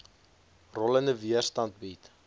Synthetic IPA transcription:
rɔləndəviərstɐnt̚bit

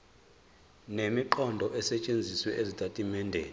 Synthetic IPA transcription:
nemiǃɔndʱɔʔɛsɛt͡ʃʼend͡zʱiswɛʔezitʰʼatʼimɛːndʱɛ̰

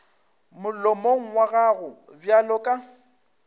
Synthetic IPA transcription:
mʊlɔmoŋ̩waɣaɣʊbjalɔkʼa

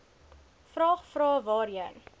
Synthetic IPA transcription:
frɑːχfrɑːvɑːɾiən

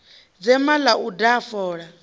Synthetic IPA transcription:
d͡zɛmalaʔudafɔːɺa

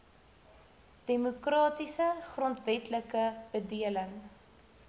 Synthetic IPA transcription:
d̥emokrɑːtisəχrɔntvɛtləkəb̥ədiələŋ

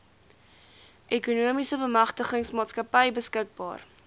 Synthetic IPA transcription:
ʔekunuəmisəbəmɐχtəχəŋsmɑːtskɐpəjbəskək̚bɑ̰ːr

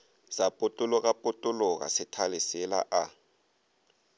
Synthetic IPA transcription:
z̥apʼʊtʼulɔk̬ʼapʼutʼʊlɔk̬ʼa̰sɪtʰalisɪla̰ʔa

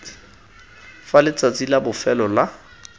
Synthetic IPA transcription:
falɪt͡sʼat͡sʼilabʊfɛlɔla

